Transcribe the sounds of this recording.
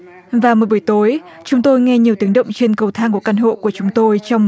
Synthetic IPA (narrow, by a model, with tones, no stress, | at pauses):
vaː˨˩mu˨˩jɓːjt̪o˨˦j | t͡ɕʊ˨˦ŋ͡mt̪o˧jŋɛ˧ɲi˨˩əwt̪i˨˦əŋɗə̰˧˨wŋ͡mt͡ɕe˧nkə˨˩wt̪ʰaː˧ŋku˧˩əka˧˩nɦo̰˧˨ku˧˩ət͡ɕʊ˨˦ŋ͡mt̪o˧jt͡ɕɔ˧wŋ͡m